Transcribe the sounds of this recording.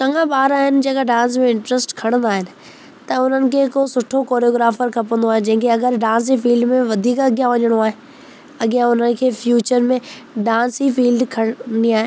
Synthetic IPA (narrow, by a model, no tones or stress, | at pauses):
t͡ʃɐ̃ŋɡãbaːɾaːɦɪnɪ̆d͡ʑeːkaɖãːns̬mẽɪ̃ɳʈɾəsʈkʰɐɽ̃ə̃nd̪aːɦɪnɪ̆ | t̪ɐʊn̤ənɪ̆kʰeːkosʊʈʰokoːɾjoːɡɾaːfəɾkʰɐpə̃nd̪oaːɦed͡ʑɐ̃ɦɪ̃ŋkʰeɐɡəɾɖãːns̬ifiːlɖmẽʋɐd̪ʱiːkɐɡjãʋɐɲəɽ̃oaːɦe | ɐɡjãʊn̤ənɪ̆kʰeːfjuːt͡ɕəɾmẽ | ɖãːnsifiːlɖkʰɐɽniaːɦe